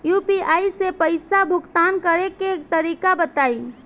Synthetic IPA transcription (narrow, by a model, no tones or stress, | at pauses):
jupiʔaisepəɪsabʱukt̪ankəɾeket̪əɾikabət̪ai